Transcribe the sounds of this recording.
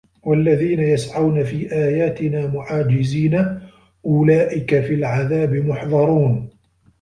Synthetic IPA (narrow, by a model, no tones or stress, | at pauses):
walːaðiːnajasʕawnafiːʔaːjaːt̪ɪnaːmʊʕaːd͡ʒɪziːna | ʔʊlaːʔɪkafiːlʕaðaːbɪmʊħðˤɑɾˤuːn